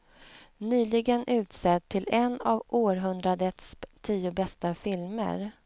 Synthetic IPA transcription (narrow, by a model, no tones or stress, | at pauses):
nyːlɪɡənʔʉ̟ːt̪sɛt̪ʰːɪlɛnavʔoːɾɦɵnd̪ɾad̪ət̪st̪ʰiːʊbɛst̪afɪlmə̰ɾ